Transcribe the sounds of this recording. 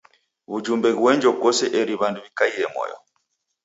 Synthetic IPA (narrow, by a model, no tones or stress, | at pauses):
βud͡ʒumbɛɣwɛɲd͡ʒɔkɔsɛʔɛɾiβanduβikaiɛmɔ̰jɔ̰